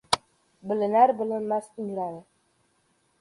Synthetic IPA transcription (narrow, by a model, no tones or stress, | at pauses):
bɘ̆lɘ̆næɾbɘ̆lɘ̆nmæsnɾɑɾɤ